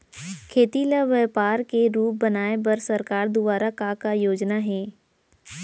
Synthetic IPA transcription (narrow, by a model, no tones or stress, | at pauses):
kʰeːt̪ilaʋɛːpaːɾkeɾuːp̚bɐnaːepɐɾsɐɾkaːɾd̪ʊbaːɾakakajoːd͡ʒnaɦɛː